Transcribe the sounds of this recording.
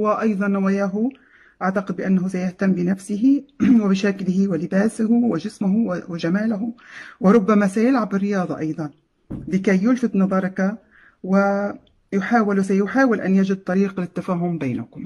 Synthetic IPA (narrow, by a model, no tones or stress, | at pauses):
wɪʔɑjðˤɑnːawaːjaːɦʊ | ʔaʕt̪aqɪd̪̚bɪʔanːaɦʊsajaht̪amːbɪnafsɪɦɪwɪbɪʃaklɪhɪwɪlɪbaːsahʊwɪʒɪsmʊɦʊwwɪd͡ʒamaːlaɦʊwɪɾˤʊbːamasajalʕabɪrːɪjɑːðˤɑ̰ʔɑjðˤɑn | lɪkajːʊlfɪt̪nɑðˤɑɾˤɑka | wɪ | jʊħaːwɪlsajʊħaːwɪlʔanjad͡ʒɪd̪̚t̪ˤɑɾiːqlɪt̪ːafaːɦʊmbeːnakʊm